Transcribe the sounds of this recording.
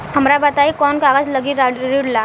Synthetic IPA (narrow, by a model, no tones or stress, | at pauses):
hɐmɾabɐt̪aːikɔːnkaːɡəd͡ʒlɐɡiɾaɾiɽlaː